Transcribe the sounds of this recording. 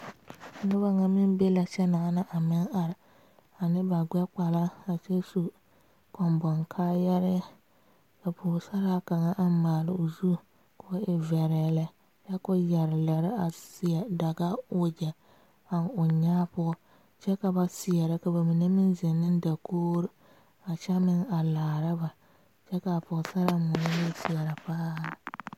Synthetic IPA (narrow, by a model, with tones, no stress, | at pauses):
nʊ˦ba˦ŋa˦mɪ˦n˦be˦la˨t͡ʃɛ˦na˨˦na˦ʔa˨mɪ˦ŋa˨ɾɪ˨ | a˨nɨ˦ba˨ɡ͡bɛ˦k͡pa˨la˦a˨t͡ʃɛ˦su˦ | kɔ˨mbɔ˨ŋkʰaː˦jɛ˦ɾɪ˦ | ka˨pʊː˨sa˦ɾa˦ka˨ŋa˦ʔa˦m˦maː˨lɪ˨o˨zu˦˨ | ka˦ɪ˨vɛ˨ɾɛ˨la˦ | ja˦kʊ˦jɛ˨ɾɪ˨la˨ɾɪ˦a˨sɪ˦a˨da˨ɡa˦ʊ˦d͡ʒɛ˨ | a˦nʊ˨ɲaː˦pʊ˦ɔ˦ | t͡ʃɛ˦ka˨ba˦sɪ˨ɛ˨ɾɪ˦ka˨ba˨mɪ˨nɛ˦mɪ˦nzɛ˨nːɪ˦n˦da˨koː˦ɾɪ˦ | a˨t͡ʃa˦mɪ˦ŋa˨laː˨ɾɪ˦ba˨ | t͡ʃɛ˦ka˨pʊ˨sa˦ɾa˦mʊ˨n˦lɪ˦sɪ˨ɛ˨ɾa˨paː˦˨